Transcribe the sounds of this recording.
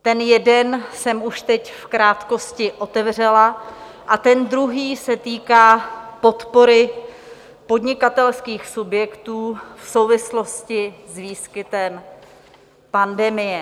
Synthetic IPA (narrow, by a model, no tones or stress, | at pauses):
t̪ɛnjɛdɛnsɛmuʃt̪ɛcfkɾaːt̪ko̞scɪʔo̞t̪ɛvr̝ɛla | ʔat̪ɛnd̪ɾuɦiːsɛt̪iːkaːpo̞t̪po̞ɾɪ | po̞dɲɪkat̪ɛlskiːxsubjɛkt̪uːfso̞wvɪslo̞scɪzviːskɪt̪ɛm | pandɛmɪjɛ